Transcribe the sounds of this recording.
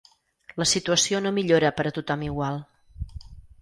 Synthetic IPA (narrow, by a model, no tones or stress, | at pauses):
ləsit̪uəsionomiʎoɾəpəɾət̪ut̪ɔmiɣwalˠ